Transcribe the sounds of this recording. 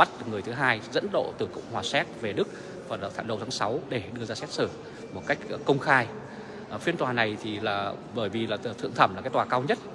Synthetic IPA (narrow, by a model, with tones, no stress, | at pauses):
ɓa˦˥t̚ŋɨ˨˩əjt̪ʰɨ˨˦ɦaː˧jzə̰˧˥nɗo̰˧˨t̪ɨ˨˩kʊ̰˧˨wŋ͡mhwaː˨˩sɛ˦˥t̚ve˨˩ɗɨ˦˥k̚ | vaː˨˩lt̪ʰa̰ː˧˨˩ɗo̰˨˩t̪ʰaː˨˦ŋsa˨˦wɗe˧˩ɗɨ˧əzaː˧sɛ˦˥t̚sɨ˧˩ | mo˨˩t̚ka˦˥jk̟̚kə˧wŋ͡mxaː˧j | fi˧nt̪waː˨˩na˨˩jt̪ʰi˨˩laː˨˩ | ɓəː˧˩jvi˨˩laː˨˩˨t̪ʰɨ̰˧˨əŋt̪ʰə˧˩mla˨˩kaː˨˦jt̪waː˨˩kaː˧wɲə˦˥t̚